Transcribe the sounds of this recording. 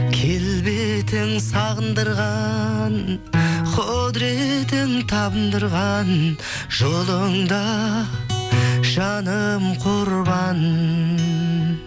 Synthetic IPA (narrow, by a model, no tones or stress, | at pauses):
kʲʰe̞lbet̪ɪŋsɑʁənd̪əɾʁɑn | qʰod̪ɾet̪ɪnt̪ʰɑbənd̪əɾʁɑn | ʒ̥olˠəɴd̪ɑ | ʒɑnəmqʰoɾbɑn